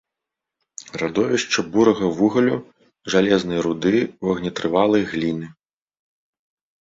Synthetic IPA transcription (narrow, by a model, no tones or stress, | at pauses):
rad̪ɔvʲiʂt͡ʂɐbuɾɐɣɐvuɣɐlʲu | ʐalʲɛznɐjɐɾud̪ɨwɐɣnʲɐt̪ɾɨvalˠɐjɣlʲinɨ